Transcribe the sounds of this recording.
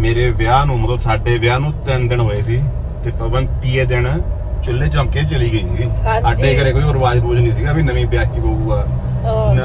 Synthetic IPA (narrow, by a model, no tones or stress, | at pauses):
meːɾeːʋjaːnũːmət̪ləbsaːɖeːʋjaːnũːt̪ɛnd̪ɪɳɦoːeːsiː | t̪eːpəbənpiːeːd̪eɳ | t͡ʃʊlːeːd͡ʒãːkeːt͡ʃəliːɡəiːsiːaːɖeːkəɾeːkoːiːʊɾbaːd͡ʒbuːd͡ʒniːs̬ɪɡaːbiːnəʋĩːbjaːkiːbouːɡaː